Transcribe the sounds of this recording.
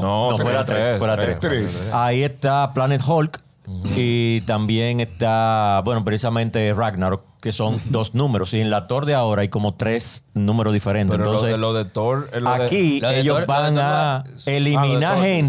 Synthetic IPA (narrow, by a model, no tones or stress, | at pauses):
nonofweɾat̪ɾeweɾatt̪ɾeɾaie̞st̪aplanet̪holk | it̪ambje̞ŋe̞st̪abwe̞nopɾesisamẽ̞nt̪e̞raɡnaɾke̞so̞ŋd̪o̞snũme̞ɾo̞sieŋlat̪o̞ɾðeao̞ɾaajko̞mo̞t̪ɾe̞snũmeɾoðife̞ɾenent̪ons̬esoðet̪oɾlakieʎosbaŋa | elimĩnaen